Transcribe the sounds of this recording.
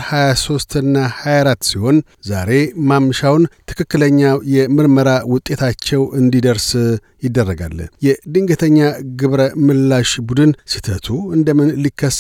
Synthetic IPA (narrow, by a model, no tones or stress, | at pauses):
hajaso̞st̪ɨnːahajaɾat̪ːsiho̞n | zaɾe̞mamːʃawnt̪ʰɨ̥kɨkːɨləɲːajɛmɨɾməɾawʊt̪ʼːe̞t̪ʰat͡ʃːɛwɨnd̪id̪əɾs | jɪd̪ːərːəɡa̰lːə̰jɛd̪ɨŋɡət̪ʰəɲːaɡɨβɾəmɨlːaʃbud̪ɨnsit̪ʰət̪ʰuɨnd̪əmɨnlikːəs